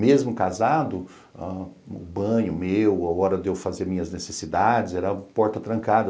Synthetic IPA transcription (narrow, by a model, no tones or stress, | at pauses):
mezmʊkazad̪ʊ | aʊ̰bɐ̃ɲʊmewaɔɾɐd̪ewfazeɾmĩɲɐznesesid̪ad͡ʒɪzɛɾɐpɔɾt̪ɐt̪ɾɐ̃ŋkad̪ɐ